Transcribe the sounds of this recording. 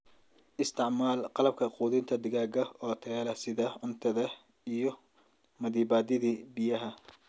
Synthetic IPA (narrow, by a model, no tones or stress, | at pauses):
ʔɪst̪ʰɪʕmaːlqɑlɐb̚kʰɐquːðɪnt̪ʰɐd̪ɪɣaːɡɐɔːt̪ʰɛːlɐsɪðɐʕʊnt̪ʰɐðɐ | ijɞ | mɐðiːbaːd̪ɪðiːbɪjɐɦɐ